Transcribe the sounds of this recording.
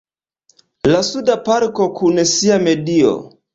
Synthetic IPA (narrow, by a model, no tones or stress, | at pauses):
lasudapaɾko̞kʰunsiame̞dio̰